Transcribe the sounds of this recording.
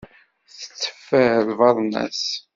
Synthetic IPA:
θə̥t͡sːə̥fːəðvɑðˤnæ̰s

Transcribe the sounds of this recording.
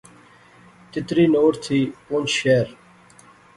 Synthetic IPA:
t̪ɪt̪ɾiːnoːɾt̪ʰiːʊnt͡ʃʃeːɾ

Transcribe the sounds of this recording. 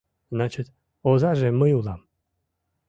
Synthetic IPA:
nat͡ɕət̪ | ozaʒeməjulˠam

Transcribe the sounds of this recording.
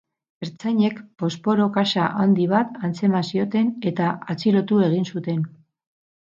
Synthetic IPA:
eɾt͡saɲe̞kpo̞spo̞ɾo̞kasaʔand̪iβ̞at̪ant͡se̞masio̞t̪e̞ne̞t̪aat͡siɾo̞t̪ue̞ɣ̞insut̪e̞n

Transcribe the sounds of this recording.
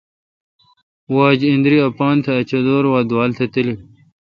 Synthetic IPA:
waːd͡ʑĩnd̪ɾiɐpaːnt̪ʰɐːt͡ɕɐd̪oːɾwaːd̪waːlt̪ʰɐt̪ili

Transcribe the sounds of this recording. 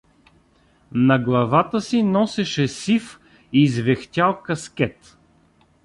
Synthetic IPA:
nɐɡlˠɐvat̪əsinɔsɛʃɛsif | izvɛxt̪ʲalˠkɐskʲɛt̪

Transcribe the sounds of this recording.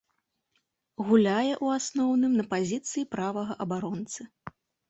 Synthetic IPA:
ɣulʲajɛʔuasnɔwnɨmnɐpazʲit̪sɨjipɾavɐɣɐʔɐbaɾɔnt̪sɨ

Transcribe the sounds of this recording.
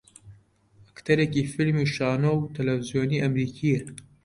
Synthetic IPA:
ɐkt̪ʰɐɾekiːfilmuʃaːnowt̪ʰɐlɐfizjoːniːʔɐmɾiːkʰiɛ

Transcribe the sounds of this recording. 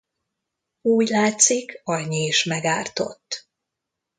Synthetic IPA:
uːɟlaːt̪sikɒɲːiːʃmɛɡaːrt̪o̞̰t̪ː

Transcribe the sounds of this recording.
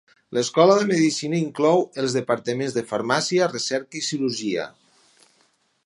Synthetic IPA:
ləskɔləðəməðisinəiŋklɔwəlˠzðəpaɾt̪əmẽnzðəfəɾmasiərəsɛɾkəisiɾuʒiə̰

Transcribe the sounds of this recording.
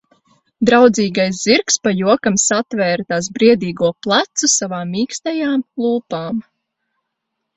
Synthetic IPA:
d̪ɾawd̪ziːɡajsziɾkspajuɔkamsat̪vɛːɾt̪as̬bɾiɛd̪iːɡuɔplˠat̪susavaːiːkst̪ajaːmlˠuːpaːm

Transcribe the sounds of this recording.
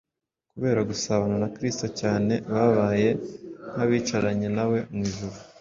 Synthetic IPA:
kuβe̞ːɾaɡusaβananakɾisto̞caːne̞βaβaːje̞n̥haβiːt͡ʃaɾaɲe̞nawe̞mwiːʒuβu

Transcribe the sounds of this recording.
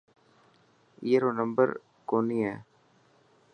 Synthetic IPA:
iːəɾoːnə̃mbə̰ɾ | koːniɛː

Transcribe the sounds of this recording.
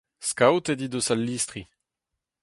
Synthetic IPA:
skawt̪ed̪id̪osalːist̪χi

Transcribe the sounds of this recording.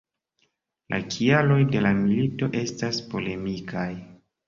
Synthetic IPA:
lʔa̰kʰialo̞jde̞lamilito̞ʔe̞staspo̞le̞mikʰaj

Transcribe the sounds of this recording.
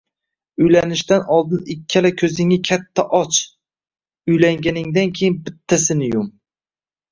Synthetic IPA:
ʊjlanɪʃt̪anɒlˠd̪ɪnɪkʲʰːalakʲʰɵzɪŋɪkʲʰat̪ʰːaʔɒt͡ʃ | ʊjlaŋɡʲanɪŋd̪ankʲʰejɪnbɪt̪ʰːasɪnɪjʊm

